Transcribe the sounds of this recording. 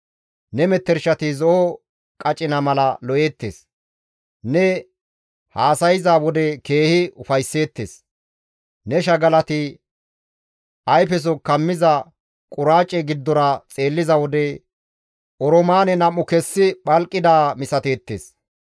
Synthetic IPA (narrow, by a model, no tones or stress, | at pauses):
nɛmɛt̪ːɛɾʃɐt̪ɪzɔʔɔ | kʼɐt͡ʃʼːɪnɐmɐlɐlɔʔe̞ːt̪ːḛːs | nɛ | haːsɐjɪzaːwɔd̪ɛke̞ːhɪʊfɐjsːe̞ːt̪ːḛːs | nɛʃɐɡɐlɐt̪ɪ | ʔɐjfɛs̬ɔkɐmːɪzɐ | kʼʊɾaːt͡ʃʼːɛɡɪd̪ːɔɾɐt͡sʼe̞ːlːɪzɐwɔd̪ɛ | ʔɔɾɔmaːnɛnɐmːʊkɛsːɪɓɐlkʼːɪd̪aːmɪsɐt̪e̞ːt̪ːḛːs